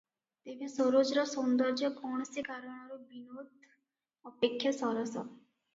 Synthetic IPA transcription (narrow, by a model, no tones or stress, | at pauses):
t̪ebʱesoɾod͡ʒɾɔsɔnd̪ɔɾd͡ʒɔɡɔɳ̃sikaɾɔɽ̃ɔɾubinod̪ | ɔpekʰːjasɔɾɔsɔ̰